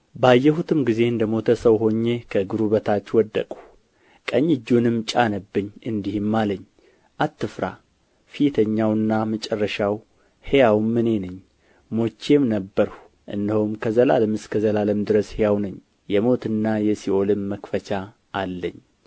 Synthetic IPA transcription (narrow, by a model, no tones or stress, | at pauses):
bəajːɛhut̪ʰɨmɡize̞ɨnd̪əmo̞t̪ʰəsəwɦo̞ɲːe̞kʰəɡɨɾuβət̪ʰat͡ʃːwɔd̪ːə̰kʼu̥ | kʼəɲːɪd͡ʒːunɨmt͡ʃʼanəbːɨɲːɨnd̪ihɨmːaləɲː | ʔat̪ʰːɨfɾa̰ | fijt̪ʰəɲːawɨnːamət͡ʃʼɛrːəʃaw | hejawmːɨne̞nɨɲ | mo̞t͡ʃːe̞mnəbːəɾhu | ʔɨ̰nd̪əhumkʰəzəla̰ləmɨskʰəzəlaləmd̪ɨɾəshejawnəɲ | jɛmo̞t̪ɨnːajɛsiʔo̞lɨmːəkfət͡ʃa | ʔːlːəɲː